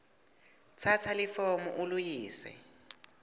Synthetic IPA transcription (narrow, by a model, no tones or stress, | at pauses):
t͡sʰat͡sʰalɪfɔmʊ̰ʔʊlʊjiːsɛ̰